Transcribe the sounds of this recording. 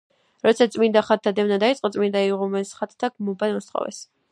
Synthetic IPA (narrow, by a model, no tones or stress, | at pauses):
ɾɔt̪sʰat̪sʼmind̪aχat̪̚t̪ʰad̪ɛvnad̪ait̪sʼqʼɔt̪sʼmind̪aiʁumɛsχat̪ʰt̪ʰːaɡ̥mɔbad̪ɔsχɔ̰vɛ̰s